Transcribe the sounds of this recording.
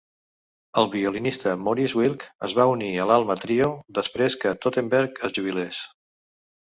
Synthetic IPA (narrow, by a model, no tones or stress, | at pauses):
əlˠβiulinist̪əmoɾizwilˠkəzβauniəlalˠmət̪ɾiod̪əspɾeskət̪ot̪embɛɾkəzʒuβ̞iles